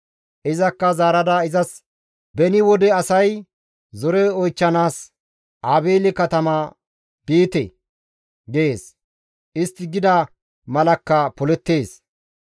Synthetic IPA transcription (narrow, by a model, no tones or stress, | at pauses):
ʔɪzɐkːɐzaːɾɐd̪aːɪzɐs | bɛnɪwɔd̪ɛɐsɐj | zɔɾɛɔjt͡ʃːɐnaːs | ʔaːbeːlɪkɐt̪ɐmɐ | b̥iːt̪ɛ̰ | ɡeeːs | ʔɪst̪ːɪɡɪd̪ɐ | mɐlɐkːɐpɔlɛt̪ːeːs